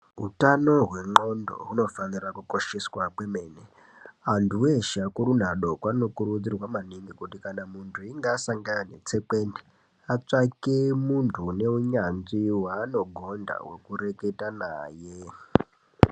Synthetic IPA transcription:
ɦutano̞ɦwe̞ŋ͡ǃo̞ndo̰ɦuno̞fanirakuko̞ʃeswakwe̞me̞ːne | antʰuweʃakuɾun̤aɗo̞kwano̞kuɾud͡zirwamaniŋɡikutikanamuntʰuiŋɡasaŋɡannḛt͡se̞kende | at͡ʂakemuntʰune̞uɲanziwaːno̞ɡʱo̞nda̰we̞kure̞ke̞tanaːje

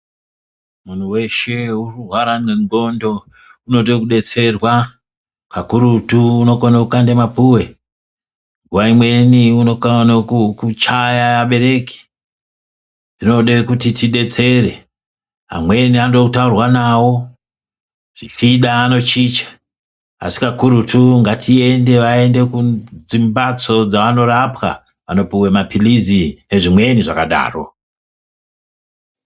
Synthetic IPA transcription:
mun̤uwe̞ʃe̞ururwaɾaneŋɡo̞ndo̞ | uno̞tokuɗe̞t͡se̞rwa | kakuɾutuːno̞konakukandemapuwe̞ | ɡuwaimwe̞niuno̞kanokukut͡ʃajaaɓe̞ɾe̞ki̥ | n̥ino̞ɗekutitiɗe̞t͡se̞ɾe̞ | a̰mwe̞niandokutaurwanawo̞ | ʐ̥it͡ʃiɗaːno̞t͡ʃit͡ʃḁ | a̰si̥kakuɾutʰuŋɡatʰie̞nde̞ʋae̞nde̞kud͡zimbat͡so̞d͡zaʋano̞ɾapwa̰ | ʋano̞puwemapilizine̞ʐimwe̞niʐakaɗa̰ːro̞̰

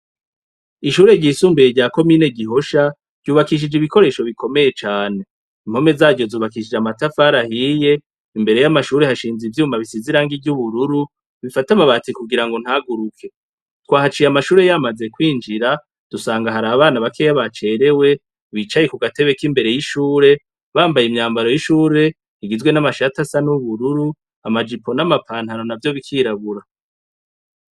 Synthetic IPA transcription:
iʃuːɾe̞ɟiːsuːmbejeɟaːko̞miːne̞ɟiɦo̞ʃa | ɟ̥uːβakiʃ̬id͡ʒiβiko̞ɾe̞ːʃo̞βiko̞me̞je̞t͡ʃaːne̞ | im̥ho̞me̞zaːɟo̞zuːβakiʃid͡ʒamatafaɾahije̞ | imbe̞ɾe̞jamaʃuːɾe̞haʃiːnzivjuːmaβisiziɾaːŋɡiɟuβuɾuɾu | βifatamaβat͡sikuɡiɾaŋɡo̞n̥haɡuɾukʰe̞ | twaːhat͡ʃiːjamaʃuːɾe̞jamaze̞kwiːnd͡ʒiɾa | d̥usaːŋɡaɦaɾaβaːnaβakʰejaβat͡ʃe̞ːɾe̞we̞ | βit͡ʃajekuɡate̞βe̞kimbe̞ɾe̞jiʃuːɾe̞ | βaːmbajimɲaːmbaɾo̞jiʃuːɾe̞ | iɡizɡwe̞namaʃatasanuβuɾuɾu | amad͡ʒipʰo̞namapʰaːnhano̞navjo̞βikʰiɾaβuɾa

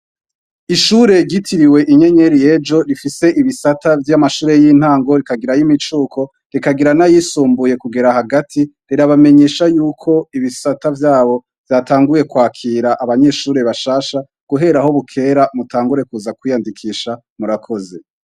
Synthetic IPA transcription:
iʃuɾe̞ɟitʰiɾiwe̞ʔiɲe̞ɲeɾije̞d͡ʒo̞ɾifise̞ʔiβisatʰavjamaʃuːɾe̞jiːn̥haːŋɡo̞ɾikaɡiɾajimit͡ʃuːkʰo̞ | ɾikaɡiɾanajisuːmbuje̞kuɡe̞ɾahaɡatʰi | ɾiɾaβame̞ɲe̞ːʃajuːkʰo̞iβisatavjaːβo̞ | v̥jaːtaːŋɡuje̞kwaːkʰiːɾaʔaβaɲe̞ʃuːɾe̞βaʃaːʃa | ɡ̥uɦe̞ɾaho̞βukʰe̞ːɾamutʰaːŋɡuɾe̞kuzakwijandikʰiːʃa | muɾakʰo̞ze̞

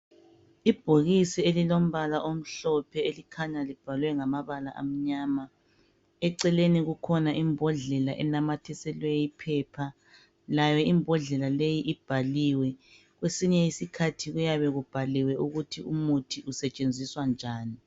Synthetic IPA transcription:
ib̥ʱoɣisielilom̩βalaʔom̩ɬɔpʰɛelikʰaɲalib̥ʱalwɛŋamaβala̰ʔa̰m̩ɲaːma | ɛǀɛleniɣukʰɔnaʔimbʱɔɮɛlaʔɛ̰namatʰɛsɛlwɛjipʰɛːpʰa | lajɔimbʱɔɮɛlalejiʔib̥ʱaliwɛ | ɣwesiɲɛisikʰatʰiɣujaβɛɣub̥ʱaliwɛuɣutʰiumutʰiʔusɛt͡ʃʼend͡zʱiswand͡ʒʱaːni

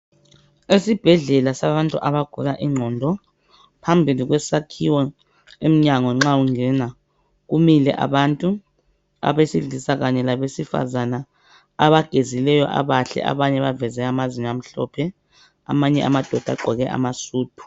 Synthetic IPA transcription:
esib̥ʱɛɮɛlasaβantʼuʔaβaɡ̥ʱulaʔiŋ͡ǁʱɔːndʱɔ | pʰambʱilik̬wɛsakʰiwɔ | em̩ɲaŋɔŋ͡ǁauŋɛna | kumilɛ̰ʔa̰ɓantʼu | a̰ɓesiɮisaɣ̬aɲɛlaβesifa̰zanaː | βaɡ̥ʱezilɛjɔ̰ʔa̰βaɬɛ̰ʔa̰βaɲɛβavɛzɛamaziɲam̩ɬɔ̰pʰɛ | a̰maɲɛa̰mad̥ʱɔd̥ʱa̰ɡ͡ǃʱɔɣɛʔa̰masuːtʰu̥

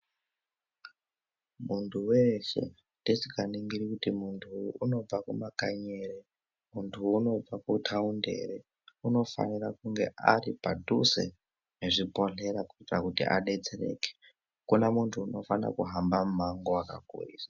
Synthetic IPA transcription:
muntʰuwe̞ʃe̞̰ | tesikaniŋɡiɾikutimuntʰuːno̞b͡vakumakaɲeːre | muntʰuːno̞b͡vakutʰaunde̞̰re | uno̞fa̰nirakuŋɡe̞̰ʔaripadʱusḛ | neʐipo̞ɬe̞ɾakuitirakutḭʔa̰ɗe̞t͡sere̞̰ːke̥ | kunamuntʰuːno̞fanira̰kuɦambamumaŋɡoakakṵiːsḁ

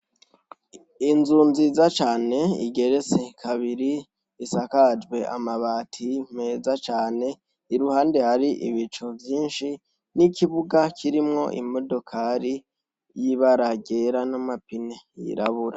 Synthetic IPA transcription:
inzuːnzizat͡ʃaːne̞ḭɡe̞ɾet͡se̞kʰaβiɾi | isakad͡ʒwe̞ʔa̰maβaːtʰime̞ːzat͡ʃaːne̞ | iɾuhaːnde̞haɾiʔḭβit͡ʃo̞vjiːnʃi | nikiβuɡakʰiɾimŋo̞ʔḭmo̞do̞kʰaɾi | jiβaɾaɡe̞ɾanamapinejḭɾa̰βuɾa

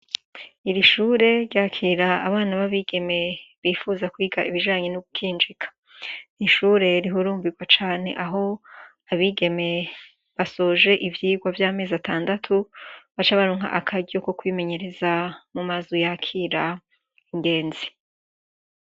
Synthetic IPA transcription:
iɾiʃuːɾe̞ɾjaːkʰiːɾaːβaːnaβaβiɡ̥e̞me̞βiːfuːzakwiːɡaʔiβiʒaːɲe̞noɡukʰiːnd͡ʒikʰḁ | niʃuːɾe̞ɾiɦuɾuːmbiɡwat͡ʃaːne̞̰ʔaɦo̞ | aβiɡe̞me̞ | βaso̞ːʒe̞ʔivjiːɡwavjaːme̞ːzataːndatʰuβat͡ʃaβaɾoːŋ̥a̰ʔakʰaɟo̞ko̞kwiːme̞ɲe̞ɾe̞zamumazojakʰiɾa | iŋɡe̞ːnzi

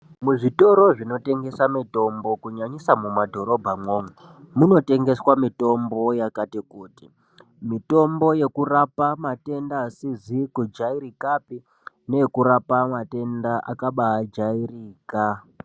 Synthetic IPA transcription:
muʐito̞ɾo̞ʐino̞te̞ŋɡe̞samito̞mbo̞kuɲaɲisamumadʱo̞ɾo̞bʱamŋo̞ːmwe | muno̞te̞ŋɡe̞swamito̞mbo̞jakatikuːti | mito̞mbo̞je̞kurapamate̞ndasizikud͡ʒaiɾikapi | ne̞ekuɾapamate̞ndaʔa̰kaɓaːd͡ʒairiːka

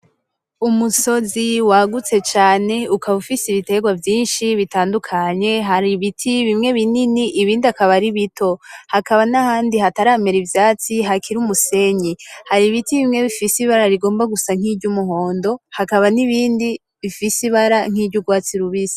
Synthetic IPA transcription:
umuso̞ziwaɡut͡se̞t͡ʃaːne̞ukʰaβufisiβite̞ɡwavjiːnʃiβitaːndukʰaɲe̞ɦaɾiβitʰiβimŋe̞βininiʔiβiːndiakaβaɾiβitʰo̞hakaβanahaːndihataɾaːme̞ɾivjaːt͡siɦakʰiɾumuse̞ɲihaɾiβitiβimŋe̞βifisiβaɾaɾiɡo̞ːmbaɡusaŋ̥iːɟumuɦo̞ːndo̞hakaβaniβiːndi | βifisiβaɾaŋ̥iːbɟuɡwaːt͡siɾuβisi̥

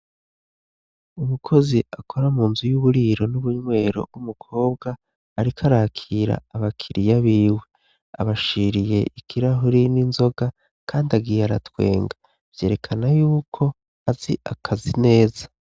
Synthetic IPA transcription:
umukʰo̞ziakʰo̞ɾamuːnzujuβuɾiːɾo̞nuβuɲŋwe̞ːɾo̞̰umukʰo̞ːb̚ɡaː | ɾikʰaɾakʰiɾa̰ːβakʰiɾijaβiwe̞ | a̰βaʃiːɾije̞ʔikʰiɾaɦuɾininzo̞ɡa | kʰaːndaɡiːjaɾa̰twe̞̰ːŋɡa | v̥je̞ːɾe̞kʰanajuːkʰo̞ | aziʔakʰazine̞ːza

